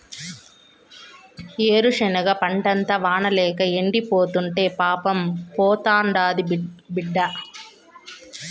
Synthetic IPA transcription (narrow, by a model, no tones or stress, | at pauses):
eːɾuʂɐnɐɡɐpɐɳʈɐnt̪ɐʋaːɳɐlɛːkɐeɳɖipoːt̪uɳʈe̞ːpaːpɐmpɔːt̪aːɳɖaːd̪ibiɖːɐ